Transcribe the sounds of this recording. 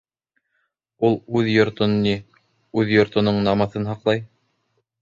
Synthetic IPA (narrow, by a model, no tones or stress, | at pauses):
ulˠʉðjŏɾt̪onːi | ʉðjŏɾt̪ŏnoɴnɑmɤ̆θɤnɦɑqlˠɑj